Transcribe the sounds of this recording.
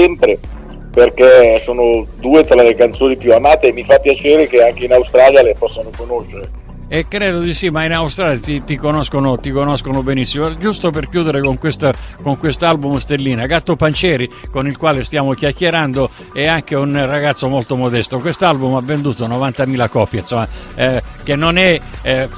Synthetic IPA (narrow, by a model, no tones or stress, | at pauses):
ɛmpɾe | perkesoːnod̪uːet̪ɾalekant̪soːnipjuamaːt̪eːmːifapːjat͡ʃeːɾekeaŋk̟einawst̪ɾaːljalepɔsːanokonoʃːeɾe | ekːɾeːd̪od̪isimainawst̪ɾaːljat̪it̪ikonoskonot̪ikonoskonobenisːimod͡ʒust̪operkjuːd̪eɾekoŋkwest̪akoŋkwest̪oalbumst̪elːiːnaɡat̪ːopant͡ʃɛːɾikonilkwaːlest̪jaːmok̟jakːjeɾand̪o | ɛaŋk̟eunraɡat̪sːomolt̪omod̪ɛst̪okwest̪oalbumavːend̪uːt̪onovant̪amiːlakɔpːjansomːa | k̟enːonɛ